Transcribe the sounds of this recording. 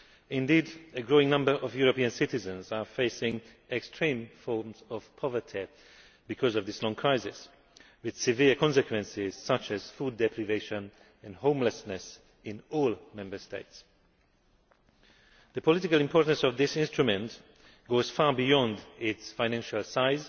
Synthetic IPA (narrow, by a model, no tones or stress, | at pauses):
ɪ̃ndiːdɨɡɹoʊɪ̃ŋnʌ̃mbə˞ʔʌvjuɹəpiɨ̃nsɪtɪzə̃nzəfeɪsɪ̃ŋ | ɛkstʰɹ̥ĩmfɔɹmzɔv̥pʰɔvə˞tʰi | b̥ɨkʰɔzʌvðɪslɔ̃ŋkʰɹ̥aɪsɪs | wɨð̥sɪvɪkʰɔ̃nsɨkʰwɛ̃nsɪz̥sʌt͡ʃɨz̥fuːd̚ɛpʰɹiveɪʃə̃n | ɨ̃nhõʊ̃mləsnɨs | ɪ̃nɔlˠmɛ̃mbə˞steɪts | ðəpʰɔlɪtɪkəlˠɪ̃mpʰɔɹʔn̩sɔvðɪsɪ̃nstɹ̥ɨmɨ̃nt | ɡ̥oʊz̥fɑɹbijɔ̃ndɪtsfãɪnæ̃nʃəlˠsaɪz